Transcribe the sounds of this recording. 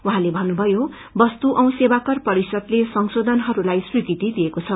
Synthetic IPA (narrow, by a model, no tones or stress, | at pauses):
wuɦãlebʱʌnːubʱʌjo | bʌst̪uʔʌw̃sebakʌrpʌɾisʌd̪lesʌŋsod̪ʱʌnɦʌɾulajswiɡit̪id̪iekot͡sʰʌ